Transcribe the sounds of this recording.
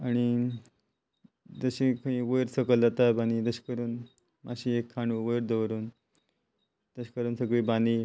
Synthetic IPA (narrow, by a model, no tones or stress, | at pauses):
aɽ̃i | d͡zəɕĩkə̃ĩʋojɾsəkəld͡zat̪abanid͡zəɕkəɾuːn | mʔaɕĩekʰːaɳuʋojɾd̪əʋɾuːn | d̪̥əɕkəɾuːnsəɡɭiːband̪i